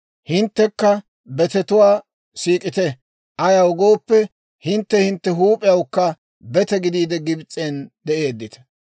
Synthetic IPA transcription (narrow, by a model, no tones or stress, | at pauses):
hɪnt̪ːɛkːɐ | bɛt̪ɛt̪ʊwaː | siːkʼɪt̪ɛ | ʔɐjɐwɡo̞ːpːɛ | hɪnt̪ːɛhɪnt̪ːɛɦuːpʼɪjɐwkːɐ | bɛt̪ɛɡɪd̪iːd̪ɛɡɪbt͡sʼːend̪ɛʔe̞ːd̪ːɪt̪ɐ̥